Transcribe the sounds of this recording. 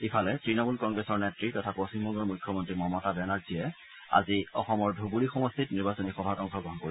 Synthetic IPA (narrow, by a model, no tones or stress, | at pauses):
ipʰalɛtɹinɔmulkɔŋɡɹesɔɹnetɹitɔtʰapost͡ɕimbɔŋɡɔɹmujkʰːɔmɔntɹimɔmɔtabɛnaɹzijɛ | a̰ziɔ̰xɔmɔɹdʱubuɹixɔmɔstʰitniɹbasɔnixɔbʱatɔŋkʰɔɡɹɔɦɔnkoɹibɔ